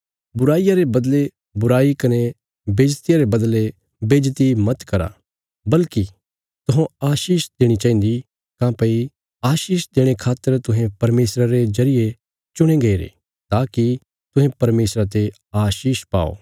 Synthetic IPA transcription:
bʊɾaːijaɾebɐd̪le | bʊɾaːikɐne | beːd͡ʒt̪ɪjaɾebɐd̪le | beːd͡ʒt̪imɐt̪kɐɾa̰ | bɐlki | t̪ʊɦãaːʃiːʃd̪eːɽ̃it͡ʃaːɦĩːnd̪i | kãːpɐi | aːʃiːʃd̪eːɽ̃ekʰaːt̪ːəɾt̪ʊɦẽpɐɾmeːsɾaɾezɐɾɪje | t͡ʃʊɽ̃ẽɡɐiɾḛ | t̪aːki | t̪ʊ̃ɦẽpɐɾmeːsɾat̪̬e | aːʃiːʃpa̰ːo̰ː

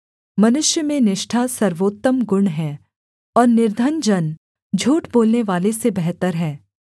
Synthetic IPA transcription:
mɐnʊʃjəmẽnɪʃʈʰasɐɾʋoːt̪ːəmɡʊɳɦɛː | ɔːɾnɪɾd̪ʱənd͡ʒɐn | d͡ʒʱuːʈboːlneʋaːlesebɛɦt̪əɾɦɛː

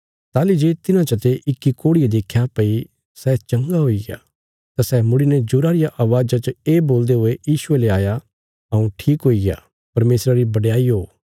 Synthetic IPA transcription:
t̪aːlid͡ʒeːt̪ɪnãt͡ʃɐt̪eʔɪkːikoːɽied̪eːkʰːjapɐi | sɛːt͡ʃɐ̃ŋɡaɦoiɡea̰ | t̪asɛːmʊɽined͡ʒʊɾaːɾɪjaʔaːʋaːd͡ʒat͡ʃəeːboːld̪eɦʊejiːʃʊeleaːja | ɐũʈʰiːkɦoːiɡeja̰ː | pɐɾmeːsɾaɾibɐɖjaːiɦoː

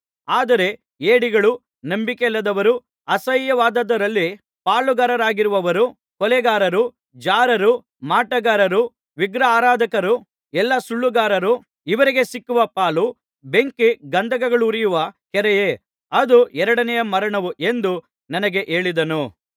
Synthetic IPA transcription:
aːd̪ɐɾe̞ | eːɽiɡɐɭu | nɐmbikelːɐd̪ɐʋɐɾu | ɐsɐjjɐʋaːd̪ɐd̪ɐɾɐlːi | paːɭuɡɐːɾɐɾaːɡiɾuʋɐʋɐɾu | kɔlɛɡaːɾɐɾu | d͡ʒaːɾɐɾu | maːʈɐɡaːɾɐɾu | ʋiɡɾɐaːɾaːd̪ʱɐkɐɾu | ɛlːɐsuɭːuɡaːɾɐɾu | iʋɐɾiɡe̞sikːuʋɐpaːlu | be̞ŋkiɡɐnd̪ʱɐɡɐɡɐɭuɾijuʋɐkɛɾɛje | ɐd̪uɛɾɐɽɐnɛjɐmɐɾɐɳɐʋuʔe̞nd̪u | nɐnɐɡe̞ʔe̞ːɭid̪ɐnu

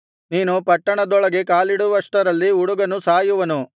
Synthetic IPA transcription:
niːnupɐʈːɐɳɐd̪ɔɭɐɡe̞kaːliɽuʋɐʂʈɐɾɐlːiuɽuɡɐnusaːjuʋɐnu

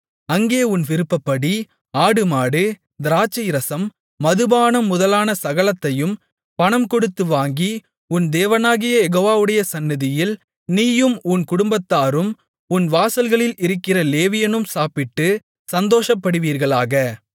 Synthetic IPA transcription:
ɐŋɡeːʊnʋɪɾɯpːɐpːɐɽi | aːɽɯmaːɽɯ | d̪ɪɾaːt͡ʃːɐjɾɐsɐmː | ɐðɯbaːnɐmːʊðɐlaːnɐsɐɣɐlɐt̪ːɐjɯm | pɐɳɐmkɔɽɯt̪ːɯʋaːŋɡi | ʊnd̪eːʋɐnaːɣɪjɐjɛɣoːʋaːʋɯɽɐjɐsɐnːɪðɪjɪl | niːjɯmʊnkʊɽʊmbɐt̪ːaːɾɯm | ʊnʋaːsɐlɣɐɭɪlɪɾɯkːɪrɐleːʋɪjɐnɯmsaːpɪʈːɯ | sɐnd̪oːʂɐpːɐɽɯʋiːɾɣɐɭaːɣɐ

